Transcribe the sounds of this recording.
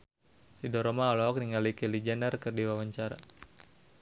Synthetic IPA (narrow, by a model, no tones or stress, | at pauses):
sidɔɾɔmaːlɔɔk̚niŋalikɛlid͡ʒɛnərkɨrdiwawaɲt͡ʃaɾa̰